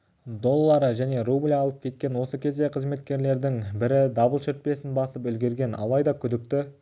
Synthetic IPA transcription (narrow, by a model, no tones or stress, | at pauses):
d̪o̞lˠːɑɾəʒæne̞rublʲɑlˠəp̚kʲʰe̞t̪̚kʲe̞nwo̞səkʲʰe̞zd̪e̞qʰəzme̞t̪kʲe̞ɾle̞ɾd̪ɪŋbɪɾɪd̪ɑbəlˠʃɪɾt̪̚pe̞sɪnbɑsəpʏlɡʲe̞ɾɡʲe̞nɑ̰lˠɑjd̪ɑkʲʰʏd̪ɪk̚t̪ɪ